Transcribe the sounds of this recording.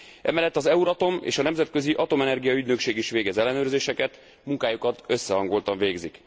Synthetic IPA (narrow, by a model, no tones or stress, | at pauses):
ʔɛ̰mɛlːɛt̪ːɒzɛuɾɒt̪o̞mḛːʃɒnɛmzɛt̪̚kø̞ziʔɒt̪o̞mɛnɛrɡijɒyɟnø̞kʃeːɡiʃʋeːɡɛzɛlːɛnøːrzeːʃɛkɛt̪ | muŋkaːjukɒt̪ø̞sːɛɦɒŋɡolt̪ɒɱveːɡzik